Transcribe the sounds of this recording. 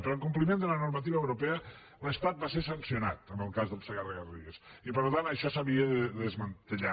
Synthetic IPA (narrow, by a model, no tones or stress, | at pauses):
pəɾəŋkumplimend̪ələnuɾmət̪̬iβəːwɾupɛə | ləst̪at̪̚basesənsiuna̰t̪əmbəlˠkazðəlˠsəɣaðəɣərðiəs | ipəɾlut̪anəʃɔsaβiəðəðəzmənt̪əʎa